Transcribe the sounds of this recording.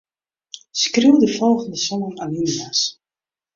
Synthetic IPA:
skriwdəfɔlˠɣəndəsɔnənaninəmas

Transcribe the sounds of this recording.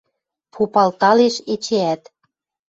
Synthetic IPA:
pʰupɑlt̪ɑleʃet͡ɕeæt̪

